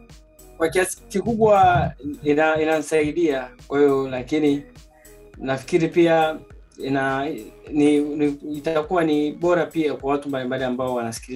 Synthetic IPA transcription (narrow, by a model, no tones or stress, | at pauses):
kwakiasi̥kikuɓwa | inainanisaiɗiakwahiɔlakini | nafi̥kiɾipia | inaniniitakuwaniɓɔɾapiakwawatumbalimbaliambaɔwanasi̥kili